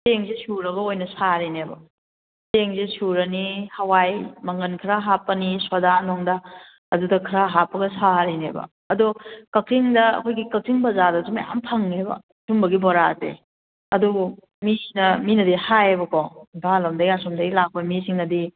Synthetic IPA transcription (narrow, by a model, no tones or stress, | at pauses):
seŋzesuɾɐɡɐojnɐsaɾinebɐ̰ | seŋzesuɾɐnihɐwajmɐŋɐnkʰɾaɦapːɐniswadanɔŋdɐ | ɐdudɐkʰɾaɦapːɐɡɐsaɾinḛbɐ̰ | ɐdokɐltʰiŋdɐɐ̰kʰojɡikɐltʰiŋbɐzadɐzumɐ̰ja̰mpʰɐŋebɐ̰ | sumbɐɡibɔɾatḛ | ɐdu | misinɐminɐdihajebɐkɔbʱalɐmdɐjasomdɐjlak̚pɐmisiŋnɐdi